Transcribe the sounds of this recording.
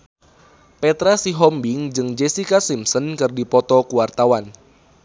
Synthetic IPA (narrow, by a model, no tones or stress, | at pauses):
pɛt̪ɾasiɦɔmbiŋd͡ʒɨŋd͡ʒɛsikasimsənkɨrdipɔt̪ɔkuwart̪awan